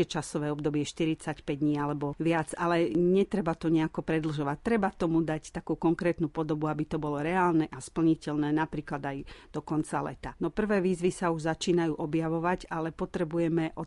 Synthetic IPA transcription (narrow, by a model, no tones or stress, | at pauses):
ɛt͡ʃasɔʋɛːɔbd̪ɔbɪɛʃt̪iɾit͡sacpɛɟd̪ɲiːalɛbɔʋɪad͡zalɛɲɛt̪ɾɛbat̪ɔɲɛakɔpɾɛd̪l̩ʒɔʋat̪ːɾɛbat̪ɔmud̪act̪akuːkɔŋkɾɛːt̪nupɔd̪ɔbuabit̪ɔbɔlɔɾɛaːlnɛʔaspl̩ɲicɛlnɛːnapɾiːklad̪ajd̪̥ɔkɔnt͡salɛ̰t̪anɔpr̩ʋɛːʋiːzʋisauʒzat͡ʃiːnajuːʔɔbjaʋɔʋaɟalɛpɔt̪ɾɛbujɛmɛʔɔ